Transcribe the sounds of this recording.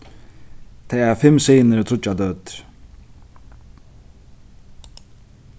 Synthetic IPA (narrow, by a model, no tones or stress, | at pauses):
t̪ʰejɛɾfɪmseːnəɾt̪ʰɾʊt͡ʃːad̪œt̪